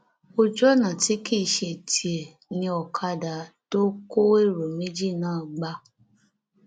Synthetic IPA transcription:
o˧d͡ʒɔ˦˨nã˨ti˨˦ki˦˨ʃe˧˨ti˨e˨ | nĩ˧ɔ˨kʰa˧da˨˦to˦ko˦e˦˨ɾo˨mĩ˦d͡ʒi˦˨nãː˦˨ɡ͡ba˧˦

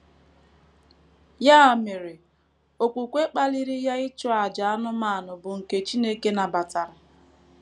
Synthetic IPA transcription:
ja˦a˨me˨ɾe˨ | o˨kʷu˨kʷe˦k͡pa˦li˦ɾi˦ja˦ɪ˦t͡ʃʊ˦a˨d͡ʒa˨a˦nʊ˦maː˦˨nʊ˨bʊ˨ŋ̩˨ke˨t͡ʃi˦ne˦ke˦na˨ba˨ta˨ɾa˨

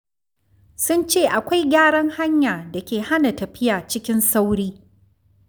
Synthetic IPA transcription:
sʊ˦nt͡ʃeː˦˨ʔa˨kʷa˦jɡʲaː˦ɽɐ˦ŋha˦ɲjaː˨da˨kʲeː˨ha˦na˨tɐ˨ɸɪ˦jaː˨t͡ʃɪ˦kʲɪ˦nsa˦wɽiː˦

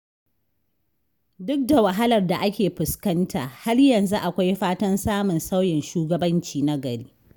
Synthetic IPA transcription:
dʊ˦k̚da˨wa˨ɦa˦lɐ˨rda˨ʔa˦kʲeː˨ɸʊ˨skɐ˦nta̰ː˨ha˦rjɐ˨nzu˦ʔa˨kʷa˦jɸaː˦tɐ˦nsaː˦mʊ˨nsa˦wjɪ˨nʃuː˦ɡɐ˨bɐ˦nt͡ʃiː˨na˦ɡɐ˨ɽiː˦

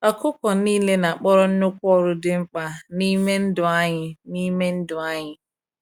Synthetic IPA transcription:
ɔ˨kʊ˦kɔ˨niː˦le˦na˨a˨k͡pɔ˦ɾɔ˦n̩˦nʊ˦kʷɔ˦ɾʊ˦dɪ˦ŋ͡m̩˦k͡pa˨ni˦me˦n̩˦dʊ˨a˦ɲɪ˨ni˦me˦n̩˦dʊ˨a˦ɲɪ˨

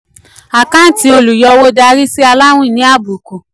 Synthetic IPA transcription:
a˨kã˦n̩˦ti˦o˧lu˨jɔ˧wo˦da˧ɾi˦si˦a˧la˦w̃ũ˦˨nĩ˨˦a˦˨bu˨ku˨

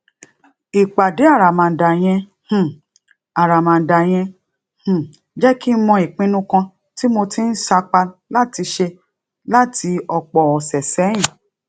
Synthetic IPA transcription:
i˨k͡pa˨de˨˦a˦˨ɾa˨mã˨da˨j̃ɛ̃˧ | h̩˨ | a˨ɾa˨mã˨n̩˨da˨j̃ɛ̃˧ | h̩˨ | d͡ʒɛ˦ki˦mɔ̃˧˦i˨k͡pĩ˦nũ˦kã˧ | ti˦mo˧ti˦n̩˦sa˧k͡pa˧la˦ti˧ʃe˧ | la˦ti˧ɔ˧k͡pɔ˨ɔ˨sɛ˨sɛ˨˦j̃ĩ˦˨

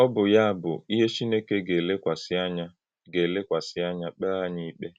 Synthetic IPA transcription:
ɔ˦bʊ˨ja˦a˦˨bʊ̰˨i˦ɦe˦t͡ʃi˦ne˦ke˦ɡe˨le˦kʷa˨sa˦ɲa˦ | ɡe˨le˦kʷa˨sɪ˦a˦ɲa˦k͡pa˦a˦ɲi˦i˦k͡pe˦

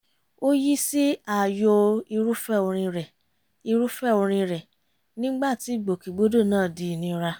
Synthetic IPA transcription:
o˦ji˦si˦a˨jo˧i˧ɾu˦fɛ˦˨o˧ɾ̃ĩ˧ɾɛ˨ | i˧ɾu˦fɛ˦˨o˧ɾ̃ĩ˧ɾɛ˨ | nĩ˦ɡ͡ba˦˨ti˨˦˨ɡ͡bo˨ki˨ɡ͡bo˨˦do˦˨nãː˦˨di˨˦˨nĩ˨˦ɾa˧

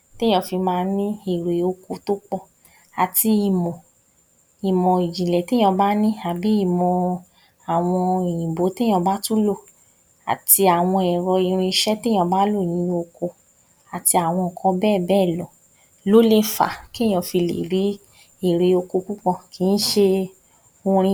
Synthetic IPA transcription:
ti˦j̃ɔ̃˧˦fi˧mãː˧˦nĩ˦i˦˨ɾe˨o˧ko˧to˦k͡pɔ˦˨ | a˨ti˧i˨mɔ̃˨ | i˨mɔ̃˨i˨d͡ʒi˨lɛ˨tẽ˦ɔ̃˧ba˦nĩ˦a˨bi˨˦i˦˨mɔ̃˧ | a˨w̃ɔ̃˧i˨ĩ˨bo˨˦te˦j̃ɔ̃˧ba˦tu˦lo˦˨ | a̰˨ti˧a˨w̃ɔ̃˧ɛ˨ɾɔ˧i˧ɾ̃ĩ˧ʃɛ˦ti˦j̃ã˧ba˦lo˦˨j̃ĩ˨˦o˧ko˧ | a˨ti˧a˨w̃ɔ̃˧˨kʰɔ̃˧bɛː˦˨bɛː˦˨lɔ̃˨ | lo˦le˦˨fa̰˨ki˦˨j̃ã˧fi˧lḛ˨ɾi˨˦ | i˦˨ɾe˨o˧ko˧ku˦kɔ̃˧kʰi˨˦n̩˦ʃe˧ | o˧ɾ̃ĩ˧˦

